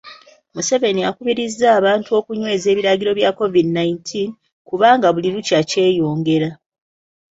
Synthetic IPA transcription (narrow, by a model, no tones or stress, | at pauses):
muse̞ve̞nijakuβiɾizːaːβaːntuo̞kuɲwe̞ːze̞ːβiɾaɟiɾo̞βjako̞vidinaintʰin | kuβaːŋɡaβuliɾucace̞ːjo̞ːŋɡe̞ɾa